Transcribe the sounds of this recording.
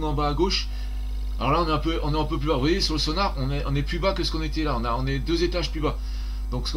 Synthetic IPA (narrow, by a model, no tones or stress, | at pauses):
nɑ̃baːɡoʃ | alɔ̰ʁlaɔ̃nɛɛ̃pøʔɔ̃nɛɛ̃pøplybavwajesyʁləsɔnaʁɔ̃nɛʔɔ̃nɛplybakəsəkɔ̃net̪ɛlaɔ̃naɔ̃nɛd̪øzet̪aʒplyba | d̪̥ɔ̃ksə̥k